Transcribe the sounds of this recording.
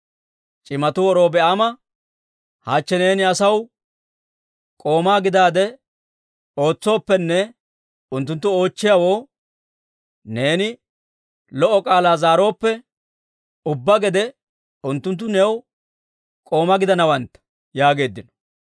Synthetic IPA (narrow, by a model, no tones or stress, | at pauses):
t͡ʃʼɪmɐt̪ʊwɔɾo̞ːbɛʔamɐ | haːt͡ʃːɛne̞ːnɪɐsɐw | kʼo̞ːmaːɡɪd̪aːd̪ɛ | o̞ːt͡sːo̞ːpːɛnːɛ | ʊnt̪ːʊnt̪ːʊo̞ːt͡ʃːɪjawo̞ː | ne̞ːnɪ | lɔʔːɔkʼaːlaːzaːɾo̞ːpːɛ | ʊbːɐɡɛd̪ɛ | ʊnt̪ːʊnt̪̬ːʊnɛw | kʼo̞ːmɐɡɪd̪ɐnɐwɐnt̪ːɐ̥ | jaːɡe̞ːd̪ːɪnɔ̥